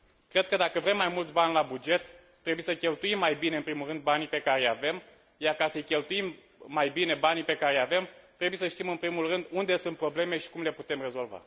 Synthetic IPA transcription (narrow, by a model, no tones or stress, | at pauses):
kɾe̞d̪̚kəd̪akəvɾe̞mːajmult̪sʲbanʲlabud͡ʒe̞t̪ː | ɾe̞bujesəkʲe̞lt̪uimːajbine̞ɨmpɾimulrɨnd̪banipe̞kaɾejave̞m | jarkasəjkʲe̞lt̪ujimː | ajbine̞banipe̞kaɾejave̞mt̪ɾe̞bujesəʃt̪imɨnpɾimulrɨnd̪und̪e̞sɨnt̪̚pɾo̞ble̞me̞ʃi̥kumle̞put̪e̞mre̞zo̞lva̰